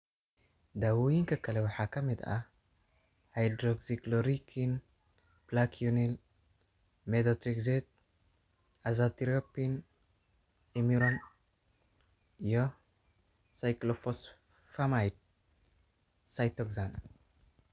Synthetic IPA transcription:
d̪awujinkʰɐkʰːɐlɐwħakʰɐmet̪ʔa | hajd̪ɾoɡzikloɾikʰin | blakʰijunil | med̪ot̪ɾikzet̪̚ | azat̪iɾopin | emiɾon | jo | sajklofos | famajt̪̚ | sajt̪okzan

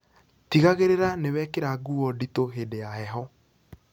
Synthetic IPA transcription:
tiɣaɣeɾeɾanewɛːkeɾaɡuɔditoɦedejaɛɦɔ

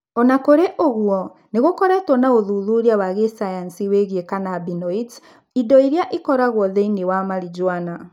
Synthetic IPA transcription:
ɔnakoɾeʔoɣuɔ | neɣokɔɾɛtwɔnaoðuðuɾiawaɣesajansiweɣiekanabinɔit | idɔiɾjaʔikɔɾaɣwɔðeinewamaɾid͡ʒwana

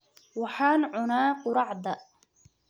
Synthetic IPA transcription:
waħaːnʕʊnaːqʊɾˤɑʕd̪a

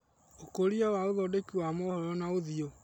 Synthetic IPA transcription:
okoɾiawaoðɔdekiwamɔhɔɾɔnaoðio

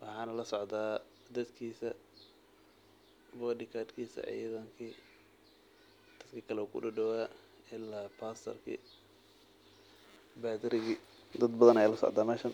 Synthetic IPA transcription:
wɑħɑːnɐlɐsɔʕd̪aː | d̪ɐd̪kʰiːsɐ | bɔːɖɪkʰaːd̪kʰiːsɐ̰ʕḭːðɐŋkʰiː | d̪̥ɐd̪kʰɐkʰɐlɛːkʰʊ̰ɖʊɖɔwa | ɪlaːpʰaːst̪ʰɐ̰rkʰḭ | baːd̪ɪɾɪɣi | d̪ɐd̪bɐðɐnɛjlɐsɔ̰ʕd̪aːmɛːʃɐn

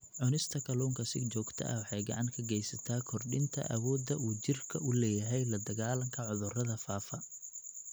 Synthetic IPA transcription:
ʕʊnɪst̪ʰɐkʰɐluːŋkʰɐsɪ̰ɡt͡ʃɔːɡt̪ʰɐ̰ʔɐ̰wɑħɑjɡɐ̰ʕɑŋkʰɐɡɛjsɐt̪ʰaːkʰɔrɖɪnt̪ʰɐ̰ʔɐ̰wɔːd̪ɐuːt͡ʃɪrkʰɐʔʊlɛːjɐɦɛjlɐd̪ɐɣaːlɐŋkʰɐʕʊðʊrɐðɐfaːfɐ

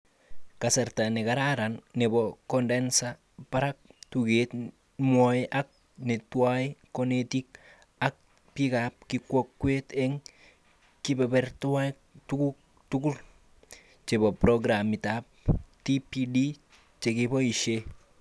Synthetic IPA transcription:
kaseɾtanekaɾaɾanːebɔkɔndensa | paɾak̚tuɡet | mɔiʔak̚ | netwaikonetik̚ | ak̚ | pikap̚kikwokːweteŋ | kibɛbɛɾtua | tuku | tukul | t͡ʃebɔpɾoɡɾamitap̚tipidi | t͡ʃekibɔiʃe

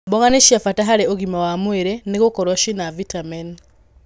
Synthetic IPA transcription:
boɣaneʃjafataɦaɾeoɣimawamweɾeneɣokoɾaʃinavitamɛn

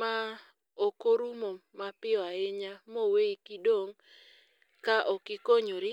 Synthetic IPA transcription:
ma | okoɾumomapɪɔaɪɲamoweikidoŋ | kaʔɔkɪkoɲoɾɪ

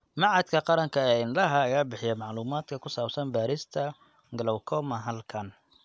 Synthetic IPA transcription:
mɑʕɑd̪kʰɐqɑɾɐŋkʰɐɛɪnlɐɦɐːjaːbɪħɪjɛmɑʕluːmaːd̪kʰɐkʰʊsaːbsɐnbaːɾɪst̪ʰɐ | ɡɐlɔwkʰɔmɐɦɐlkʰɐn

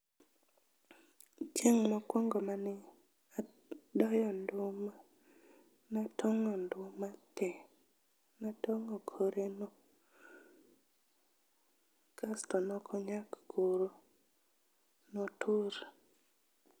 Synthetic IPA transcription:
t͡ʃeŋmɔkwɔŋɡɔmanɪ | a | dɔjɔndʊma | natʰɔŋɔndʊmatɛ | natɔŋɔkʰoɾenɔ | kastɔnɔkʰɔɲakɡoɾo | notʰuɾ

